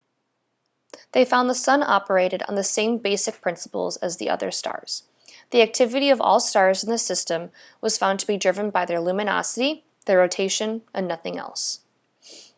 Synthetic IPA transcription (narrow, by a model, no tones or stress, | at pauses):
ðeɪfãʊ̃nðəsʌ̃nɑ̰pə˞eɪɾɨɾn̩ðɨsẽɪ̃mbeɪsɨk̚pʰɹ̥ɪ̃nsə̥pl̩ˠzɨzðḭʔʌ̰ðə̰˞stʰɑ̰ɹz̥ | ðiæk̚tʰɪvɨɾiʌvɔ̰lˠstɑɹzn̩ðɨsɪstɨ̃m | wʌz̥fãʊ̃ntʰəbidɹɪvɨ̃nbaɪðə˞lʉmɨnɑ̰sɨɾi | ðə˞ɹoʊtʰeɪʃɨ̃nʔɨ̃nːʌθɪ̃ŋɛ̰lˠs